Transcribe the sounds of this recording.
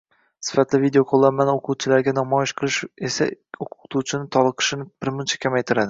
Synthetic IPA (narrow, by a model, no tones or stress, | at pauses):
sɪ̥fat̪lɪvid̪ejoqʰolˠːanmanɪoqʰʊwt͡ʃʰɪlaɾɡʲanɒmɒjɪʃqʰɨlˠɪʃesa̰oqʊ̥t̪ʰuwt͡ʃʰɪnɪt̪ʰɒlˠɨqʰɨ̥ʃɪnɪb̥ɪɾmʊnt͡ʃʰḁkʲʰamajt̪ʰɪɾad̪ɪ